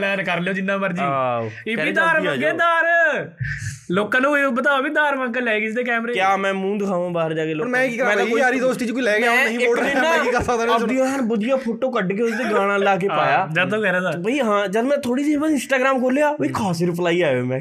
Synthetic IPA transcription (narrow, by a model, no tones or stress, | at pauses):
lɛːnkəɾleoːd͡ʒɪnːãːməɾd͡ʒɪiːd̪aːɾʋəɡeːd̪aːɾ | loːkãːnũːibət̪̬aːoːbiːd̪aːɾmə̃ŋkəlɛːɡisd̪eːkɛːmɾeːkjaːmɛ̃ːmũːd̪ɪkʰaːʋãːbaːəɾd͡ʒaːkeːloːɾmɛ̃ːkiːkəɾmɛ̃ːaːkoaːɾiːd̪oːsʈiːt͡ʃkoilɛːɡjãːnɦĩːoːẽnãkikəɾsək̚d̪ãːbd̪ijõːənbʊd̪ɪjaːpʰoːʈoːkəɖk̬eːʊst̪eɡãːɽ̃ãːlaːk̬epaːjaːd͡ʒət̪ãːlɛːɾaːd̪aːbəiːɦãːd͡ʒəlmɛ̃ːt̪ʰoːɽiːsibəɪ̃nsʈaːɡɾaːmkʰoːleaːbəiːkʰɔːsiɾɪp̬laːiaːomɛ̃ː